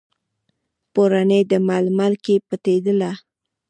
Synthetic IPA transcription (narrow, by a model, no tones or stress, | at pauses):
poɾanəjd̪əmalmalkepat̪ed̪əla